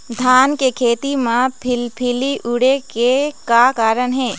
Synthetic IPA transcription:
d̪ʱaːnkekʰeːt̪imãpʰɪlpʰɪliʔʊɽekekakaːɾənɦɛː

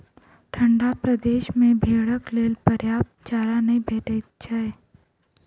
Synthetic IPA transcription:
ʈʰə̃ɳɖapɾəd̪eːʃmẽbʱeːɽəkleːlpəɾjaːp̪̚ | t͡ʃaːɾanɐĩbɛːʈeɪt͡ʃʰaɛː

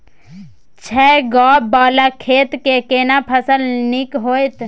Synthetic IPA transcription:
t͡ʃʰɛːɡɔːbaːlakʰeːt̪kekeːnapʰəsəlnɪkɦoːjt̪

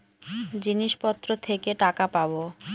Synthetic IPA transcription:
d͡ʑiniʃpɔt̪ːɾot̪ʰekeʈakapabo

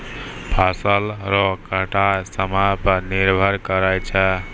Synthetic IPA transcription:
pʰasəlɾɔkəʈasəmapəɾniɾbʱəɾkəɾajt͡ʃʰɛ

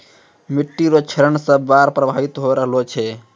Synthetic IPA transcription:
miʈːiɾot͡ʃʰeɾəɳsəbːaɾpɾəbʱaʋit̪ɦoɾəɦlot͡ʃʰɛ

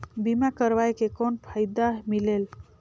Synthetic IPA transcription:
bimakəɾʋajkekɔnpʰaɪd̪amilel

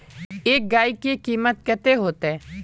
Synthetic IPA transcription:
eːk̚ɡaːikekiːmət̪̚kət̪eɦoːt̪eː

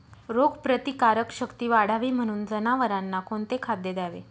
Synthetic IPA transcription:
ɾoɡpɾət̪ikaɾəkɕəkt̪iːʋaɽ̤aʋiːm̤əɽ̃uːnd͡zənaʋəɾanːakoɳt̪ekʰad̪jəd̪aʋḛ

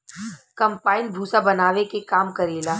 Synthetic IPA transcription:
kɐ̃mpaːɪnbʱuːsabɐnaːʋekekaːmkɐɾeːlaː

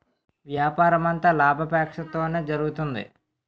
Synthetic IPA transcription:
ʋjaːpaːɾɐmɐnt̪aːlaːbʱɐpaːkʂɐt̪o̞ːneːd͡ʒɐɾuɡut̪und̪ḭ

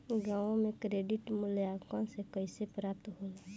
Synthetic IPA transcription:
ɡaːʋõmẽkɾeːɖɪʈmʊljaːkãsekəɪsepɾaːp̚t̪ɦoːlaː

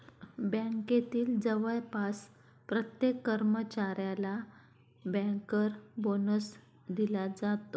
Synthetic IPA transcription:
bɛ̃ket̪iːld͡zəʋəɭpas | pɾət̪jekːəɾmət͡ɕaɾjala | bɛ̃kəɾbonəs | d̪ilad͡zat̪o

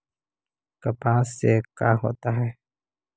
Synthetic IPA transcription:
kəpaːsekaːɦo̰ːt̪aɦɛː

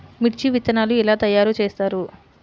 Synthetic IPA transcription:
miʈt͡ʃiʋit̪ɐnaːluɛlaːt̪ɐjːaːɾut͡ʃeːst̪aːɾu

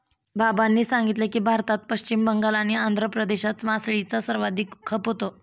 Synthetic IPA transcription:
babanːiːsãŋɡit̪lekiːbʱaɾt̪at̪̚pəɕt͡ɕimbəŋɡalañiand̪ʱɾəpɾəd̪eɕat͡smasɭit͡sasəɾʋad̪ʱiːkkʰəpɦot̪o

